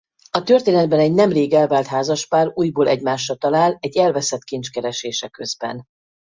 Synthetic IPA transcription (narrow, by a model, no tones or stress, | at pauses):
ɒt̪ørt̪eːnɛd̪̚bɛnɛɟnɛmreːɡɛlvaːlt̪ɦaːzɒʃpaːɾuːjboːlʔɛɟmaːʃːɒt̪ɒlaːlɛɟːɛlvɛsɛt̪kint͡ʃkɛɾɛʃeːʃɛkøzbɛ̰n